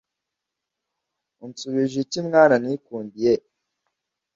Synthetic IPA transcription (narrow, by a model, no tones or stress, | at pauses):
unt͡suβiʒicimŋaːnanikuːndije